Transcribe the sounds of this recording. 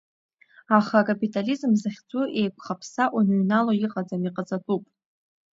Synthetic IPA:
aχakʼapʼitʼalizmzɨχʲt͡sʷʼuʔe̞jkʷʰχapʰsaʔunɥnaloiqʼad͡zamiqʼad͡zʼatʼupʼ

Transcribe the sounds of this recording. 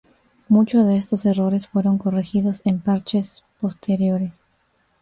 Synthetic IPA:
mut͡ʃozðeest̪o̞se̞ro̞ɾe̞sfwe̞ɾo̞ŋko̞rexiðo̞se̞mpaɾt͡ʃe̞spo̞st̪ʰe̞ɾjo̞ɾes

